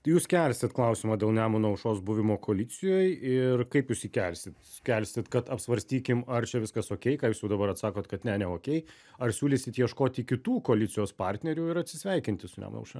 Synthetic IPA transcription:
t̪juːskʲælʲsʲt̪ʲɪt̪klˠɐʊsʲɪːmɑːd̪ʲeːlˠnʲæːmʊnɐʊʃoːsbʊʋʲɪmoːkoːlʲɪt͡s̪ʲɪjoːjɪrkɐɪpjuːsiːkʲælʲsʲɪt̪skʲælʲsʲɪt̪kɐt̪ɐpsʋɐɾʲsʲt̪ʲiːkʲɪmɐrt͡ʃʲɛʋʲɪskɐsoːkʲɛɪkɑːjuːsjɛʊd̪ɐbɐɾɐt̪sɑːkoːt̪kɐt̪nʲɛnʲɛoːkʲɛɪ | ɐrsʲuːlʲɪsʲɪt̪jiɛʃkoːt̪ʲikʲɪt̪uːkoːlʲɪt̪sʲɪjoːspɑːɾʲt̪ʲnʲɛɾʲuːɪɾɐt̪ʲsʲɪsʲʋʲɛɪkʲɪnʲt̪ʲɪsʊnʲæ̰mʊ̰nɐ̰ʊʃɐ

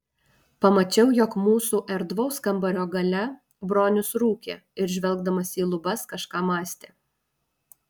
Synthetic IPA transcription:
pɐmɐt͡ʃʲɛʊjɔkmuːsuːʔɛɾd̪ʋɒʊskɐmbɐɾʲoːɡɐlʲɛ | bɾoːnʲʊsɾuːkʲḛːɪɾʒʲʋʲɛlˠˑɡd̪ɐmɐsiːlˠʊbɐskɐʃkɑːmɑːsʲt̪ʲeː

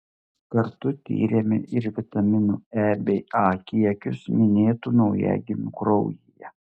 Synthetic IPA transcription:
kɐɾt̪ʊt̪ʲḭːɾʲemʲɪ̰ʔɪɾʋʲɪt̪ɐmʲɪnuːæːbʲɛɪɑːkʲiɛkʲʊsmʲɪnʲeːt̪uːnɒʊjɛ̰ɡʲɪmʲʊkɾɔʊjijɛ

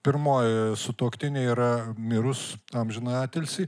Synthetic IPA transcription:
pʲɪɾmoːjsʊt̪oːkt̪ʲɪnʲeiːɾɐmʲɪɾʊsɐmʲʒʲɪnɑːt̪ʲɛlʲsʲiː

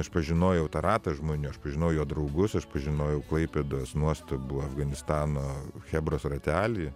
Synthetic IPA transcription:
ɐʃpɐʒʲɪnoːjɛʊt̪ɐɾɑːt̪ɐʒmoːnʲuːɐʃpɐʒʲɪnɐʊjoːd̪ɾɐʊɡʊsɐʃpɐʒʲɪnoːjɛʊklˠɐɪpʲeːd̪oɔsnuɔst̪ɐbuːɐfɡɐnʲɪst̪ɑːnoːxʲæːbɾoːsrɐt̪ʲæːlʲiː

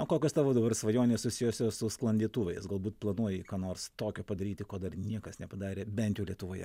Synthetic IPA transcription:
oːkoːkʲoːst̪ɑːʋoːd̪ɐbɐrsʋɐjoːnʲeːsʊsʲɪjosʲoːsʊsklˠɐnʲd̪ʲiːt̪uːʋʲɛɪsɡɐlˠbuːt̪plˠɐnuɔjɪkɑːnoːɾst̪oːkʲoːpɐd̪ɐɾʲiːt̪ʲɪkoːd̪ɐrnʲiɛkɐsnʲɛpɐd̪ɑːɾʲeːbʲɛnt̪ʲjɛʊlʲiɛt̪ʊʋoːjɛ̰

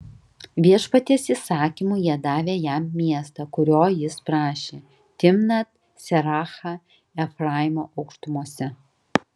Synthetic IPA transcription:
ʋʲiɛʃpɐt̪ʲɪsisɑːkʲimuːjiɛd̪ɑːʋʲeːjæmːʲiɛst̪ɐkʊɾʲoːjɪspɾɑːʃʲeː | t̪ʲɪmnɐt̪ | sʲɛɾɑːxɑ | ɛfɾɑːɪmoːʔɐʊkʃt̪ʊmuɔsʲɛ

